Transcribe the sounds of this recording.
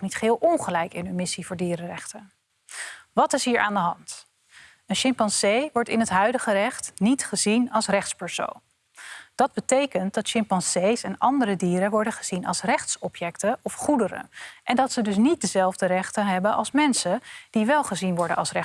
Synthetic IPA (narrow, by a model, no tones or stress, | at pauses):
nitχɦɪːlˠʔɔnχəlɛjkɪnɦɵnmɪsivʊːɹdiːɾərɛχtən | ʋɑtɪsɦiːɹʔa̰ːndəɦɑnt | ənʃɪmpɑnsejʋɔɹtɪnɦətɦœɥdəχərɛχtnitχəzinɑlˠsrɛχtspɛɹso̰wn | d̥ɑd̚bətejkənt̚d̥ɑtʃɪmpɑnsejsɛnɑ̰ndəɾədiːɾəʋɔɹdəχəz̥inɑ̰lˠsrɛχtsɔpjɛktəɔfχudəɾə̰ʔɛndɑtsədɵs̬nit̚dəzɛlˠvdərɛχtənɦɛbənʔɑ̰lˠsmɛnsəd̥iʋɛlˠχəzinʋɔɹdənʔɑlˠsrɛ